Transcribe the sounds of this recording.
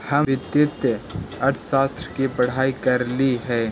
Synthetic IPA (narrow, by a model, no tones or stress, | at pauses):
hɐmɪt̪jɪt̪jɐɾt̪ʰʃaːst̪ɾəkipəɽ̤aːikɐɾliɦɛː